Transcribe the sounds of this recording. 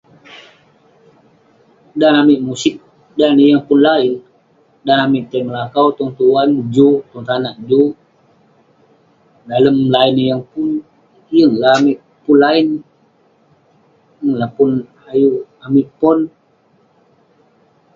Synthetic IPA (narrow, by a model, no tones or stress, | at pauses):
danamiʔmusik̚ | danəjəŋpunlaɪn | danamiʔt̪aməlakawt̪ɔŋt̪uanbud͡ʒut̪ɔŋt̪anaʔd͡ʒu | daləmlainjəŋpun | jəŋlaːmiʔ | punlain | jəŋlapun | aju | amiʔpɔn